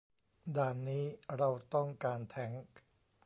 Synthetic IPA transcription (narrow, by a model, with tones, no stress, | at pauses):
daː˧nːiː˦˥ɾa˧wt̪ɔ˥˩ŋkaː˧nt̪ʰɛ˦˥ŋ